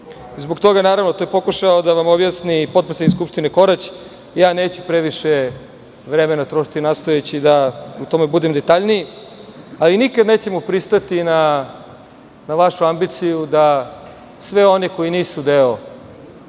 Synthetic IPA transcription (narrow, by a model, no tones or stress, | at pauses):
zbok̚t̪o̞ɡanaːɾaʋno̞t̪ojepo̞kuʃaod̪aʋamo̞bjasnipot̪pɾeseikskupʃt̪ineko̞ɾat͡ɕ | jaːneːt͡ɕupɾe̞ʋiʃe | ʋɾeme̞nat̪ɾoʃi̥t̪inast̪ojet͡ɕid̪aut̪o̞me̞bud̪e̞md̪e̞t̪aʎniji | alinikad̪ne̞ːt͡ɕe̞mupɾist̪at̪ina | naʋaʃuambit̪sijud̪a | sʋe̞o̞neko̞iniːsud̪eo